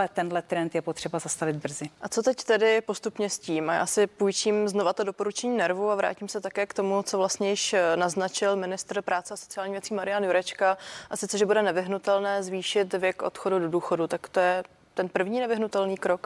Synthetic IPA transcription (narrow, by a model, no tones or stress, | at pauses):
ɛt̪ɛnlɛt̪ɾɛnt̪jɛpot̪r̥ɛbazast̪avɪd̪̚br̩zɪʔat͡so̞t̪ɛct̪ɛdɪpo̞st̪upɲɛsciːmʔaja̰ːsɪpujt͡ʃiːmzno̞vat̪odo̞po̞ɾut͡ʃɛɲiːnɛɾvuavɾa̰ːciːmsɛt̪akɛːkt̪o̞mut͡so̞vlast̪ɲɛjɪʃnaznat͡ʃɪlmɪnɪst̪r̩pɾʔaːt͡sɛaso̞t͡sɪjaːlɲiːvjɛt͡siːmaɾɪjanjuɾɛt͡ʃkaʔasɪt͡sɛʒɛbudɛnɛvɪɦnut̪ɛlnɛːzviːʃɪt̪vjɛkʔo̞̰t̪xo̞dudo̞duːxo̞dut̪akt̪ojɛ | t̪ɛnpr̩vɲiːnɛvɪɦnut̪ɛlniːkɾo̞k